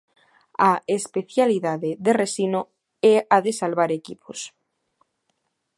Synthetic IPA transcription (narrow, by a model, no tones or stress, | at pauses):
aespe̞θjaliðaðeðeresino | eaðe̞salβaɾekipʰos